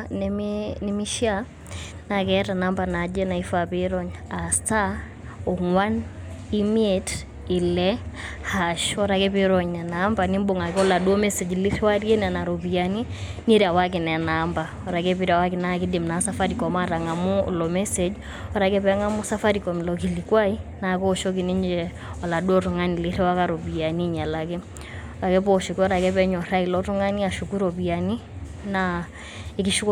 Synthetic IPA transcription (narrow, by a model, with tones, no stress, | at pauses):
nɛinɛmiʃia | nakɛɾanambanad͡ʒɛna˨ifapeɾɔɲa˨sta˦ | ɔŋwan | imiet | i˨lɛ | haʃɔɾakɛpiɾɔɲnɛnamba˨nimboŋa˨kɔ˦la˨du˦ɔ˦mɛse˨d͡ʒliswa˦ɾe˦nɛna˨ɾobiani | ni˦ɾa˨wak̬i˨nɛ˨namba | ɔ˨ɾa˨kɛ˦pi˦ɾa˨wa˦kɪ˨na˦kɪ˦dɪ˨mna˨sa˦fa˦ɾi˨kɔ˨ma˦ɾa˨ŋa˨mu˦lɔ˨mɛ˦se˨d͡ʒ | ɔ˨ɾa˨kɛ˦pɛ˦ŋa˦mu˦sa˦fa˦ɾi˨kɔ˨m˨lɔ˨k̬i˨li˨kwa˦ina˨kɔ˦ʃɔ˦k̬i˨ni˦ɲd͡ʒɛ | ɔ˨la˨du˦ɔ˦tu˨ŋa˦ni˨lɪ˦ɾɛ˦wa˦ka˦ɾo˨bi˨a˨ni˦ɲa˨la˨kɪ˦ | ɔɾa˨kɛ˦pɔʃɔ˨ki˦ɔ˦ɾa˨kɛ˦pɛ˦ɲɔ˨ɾa˦ilɔ˦tu˦ŋa˦ni˦a˨ʃu˨ku˦ɾɔ˨bi˨a˨ni˦ | na˦ | e˨ki˦ʃu˦k